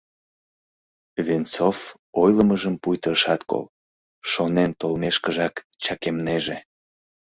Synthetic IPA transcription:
vint͡sof | ojləməʒəmpujt̪əʃɑt̪ko̰l | ʃonent̪olmeʃkəʒɑk | t͡ɕɑkemneʒe

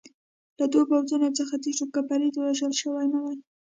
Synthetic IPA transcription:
lad̪obawzunot͡səxat̪iʃokapaɾid̪waʒəlʃəwajnawaj

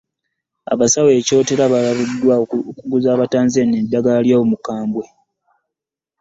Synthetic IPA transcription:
a̰βasawe̞ːco̞ːte̞ɾaβalaβudːwakuɡuzaːβataːnze̞nedːaɡaljaomukaːmbwe̞

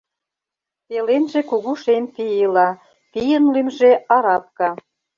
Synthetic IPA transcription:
pelenʒekuɣuʃemp̪iilɑ | pijənlymʒeɑɾɑp̚kɑ

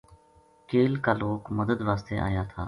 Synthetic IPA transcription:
keːlkaːloːkməd̪əd̪ʋaːst̪eːʔa̰ːjaːt̪ʰaː

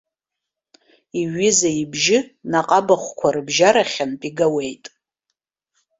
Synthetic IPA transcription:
iɥɪzaibʒɪnaqʼabaχʷkʷʰarɨbʒaɾaχʲanpʼiɡawe̞jtʼ

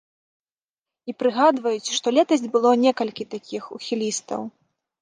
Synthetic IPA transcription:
ipɾɨɣad̪vɐjut͡sʲʂt̪ɔlʲɛt̪ɐzʲd͡zʲbɨlˠɔnʲɛkɐlʲkʲit̪akʲixṵxʲilʲist̪ɐ̰w

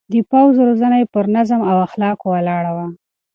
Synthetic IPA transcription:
d̪əpawzɾozanajpəɾnazəmawaxlɑkowalɑɽawa

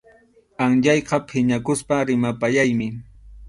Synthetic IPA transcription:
aŋʎɑjqɑpʰɪɲakʊspaɾɪmapajajmɪ

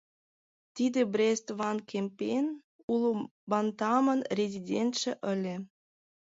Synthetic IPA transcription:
t̪id̪ʲĕbrʲest̪βɑnkʲʰemʲpʲenʲ | ulˠubɑnt̪ɑmɤ̆nrʲezʲidʲent̪ʃĕʔə̆lʲĕ

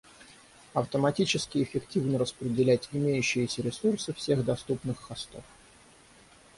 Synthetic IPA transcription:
ɐft̪əmɐtʲit͡ɕɪskʲɪɪfʲɪktʲivnəɾəspɾʲɪdʲɪlʲætʲɪmʲejʉɕːɪjɪsʲəɾʲɪsursɨfsʲe̞ɣd̪ɐst̪upnɨxːɐst̪o̞f

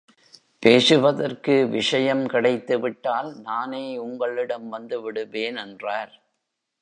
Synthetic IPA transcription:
peːsɯʋɐðɐrkɯʋɪʂɐjɐmkɪɽɐɪt̪ːɯʋɪʈːaːlnaːneːʊŋɡɐɭɪɽɐmʋɐnd̪ɯʋɪɽɯʋeːnɛndraːɾ

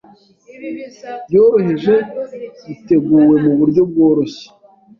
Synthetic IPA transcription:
bjo̞ːɾo̞ɦeʒe̞βite̞ɡuːwe̞muβuɾɟo̞b̚ɡo̞ːɾoɕi̥

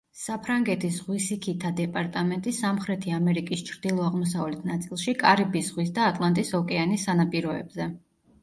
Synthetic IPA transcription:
sapʰɾaŋɡɛt̪ʰisʁwisikʰit̪ʰad̪ɛpʼaɾt̪ʼamɛnt̪ʼisamχɾɛt̪ʰiamɛɾikʼist͡ʃʰɾd̪̥ilˠɔaʁmɔsavlɛt̪ʰnat̪sʼilˠʃikʼaɾibisʁwis̬d̪aːt̪ʼlˠant̪ʼisɔkʼɛanisːanapʼiɾɔɛ̰bzɛ

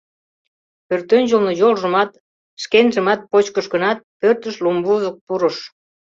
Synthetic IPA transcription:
pørt̪ønʲʒəlnojolʒə̆mɑt̪ | ʃkenʒə̆mɑt̪̚pot͡ɕkəʃkənɑt̪̚pørt̪əʃlumbuzək̚puɾəʃ

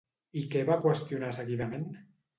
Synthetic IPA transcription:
ikeβakwest̪iunasəɣiðamen

